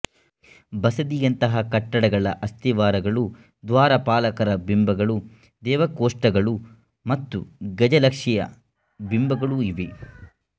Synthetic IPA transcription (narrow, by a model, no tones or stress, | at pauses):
bɐsɐd̪ijɐnt̪ɐɦɐkɐʈːɐɽɐɡɐɭɐʔɐst̪iʋaːɾɐɡɐɭu | d̪ʋaːɾɐpaːlɐkɐɾɐbimbɐɡɐɭu | d̪ɛːʋɐkoːʂʈɐɡɐɭu | mɐt̪ːuɡɐd͡ʒɐlɐkʂijɐ̰ | bimbɐɡɐɭuiʋi